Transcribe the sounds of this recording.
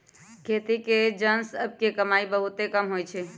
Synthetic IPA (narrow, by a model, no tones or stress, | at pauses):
kʰet̪iked͡ʒənsəb̚kekəmaibəɦut̪ekəmɦojt͡ʃʰɛ